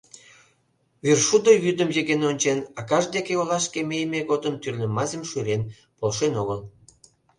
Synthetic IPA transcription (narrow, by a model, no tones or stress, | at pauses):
virʃud̪əjyd̪əmjeɣenonʲt͡ɕenɑkɑʒd̪ekeolɑʃkemejmeɣod̪ənt̪yrlʲə̆mɑzʲemʃyɾen | polʃenoɣəl